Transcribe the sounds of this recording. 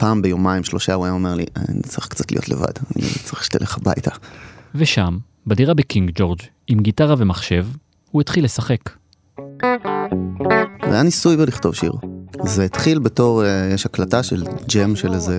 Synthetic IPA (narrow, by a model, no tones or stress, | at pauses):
paːmbejo̞maimʃlo̞ʃauajaomeʁlḭʔa̰nḭt͡saʁiχkt͡satlḭjotlḛva̰dḭnḭt͡saʁiχʃt̪ḛlʔeχaba̰jtʰaveʃam | badiʁabekiŋɡd͡ʒo̞ʁd͡ʒ | imɡitaʁave̞maχʃe̞v | huetχilːe̞saχe̞k | va̰janisujbeliχto̞vʃḭʁzeit̪χilbe̞to̞ʁejeʃhaklataʃḛld͡ʒemʃeleze